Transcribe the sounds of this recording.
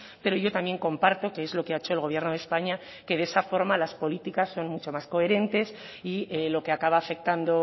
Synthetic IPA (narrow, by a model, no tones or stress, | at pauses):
pe̞ɾo̞ʝo̞t̪amje̞ŋkõ̞mpaɾt̪o̞keezlo̞keaet͡ʃo̞elɣ̞o̞β̞je̞ɾnoð̞espaɲa | ke̞ðe̞safo̞ɾmalaspo̞lit̪ikasːo̞nmut͡ʃo̞masko̞e̞ɾe̞nt̪e̞s | ielo̞keakaβ̞aːfe̞k̚t̪and̪o̞